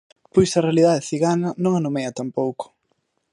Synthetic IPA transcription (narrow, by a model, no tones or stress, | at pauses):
pojsɐrealiðaðɪθiɣanɐnõŋɐnomeɐt̪ampowkʊ̥